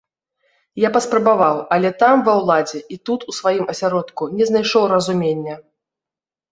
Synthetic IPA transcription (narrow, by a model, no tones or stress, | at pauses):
japɐspɾɐbavawɐlʲɛt̪amvɐwlˠad͡zʲɛʔit̪ut̪usvajimɐsʲaɾɔt̪kunʲɛznajʂɔwrɐzumʲenʲːɐ